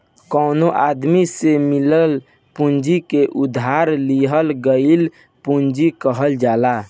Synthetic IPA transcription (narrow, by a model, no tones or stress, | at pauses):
kənoʔad̪misemiləl | pund͡ʒikeʔud̪ʱɦaɾliɦəlɡəɪl | pund͡ʒikəɦəld͡ʒala